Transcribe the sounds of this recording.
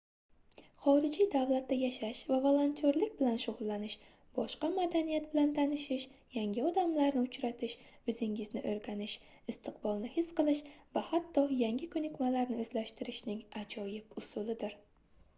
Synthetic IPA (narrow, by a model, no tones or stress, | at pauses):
χɒɾɪd͡ʒid̪avlat̪ːajaʃaʃvavolˠont̪ʰʲoɾlɪkʲbɪlanʃʊʁlˠːanɪʃ | b̥ɒʃqɑmad̪anijat̪̚bɪlant̪ʰanɪʃɪʃjaŋɡʲɪɒd̪amlaɾnɪʊt͡ʃɾat̪ʰɪʃʊzɪŋɪznɪʔoɾɡʲanɪʃ | ɪst̪ʰɪqbɒlˠnɪhɪsqɨlˠɪʃvahat̪ʰːɒjaŋɡʲɪkʰɵnɪkʲmalaɾnɪɵzlaʃt̪ɪɾɪʃnɪŋad͡ʒɒjɪpʊsʊlɪd̪ɪɾ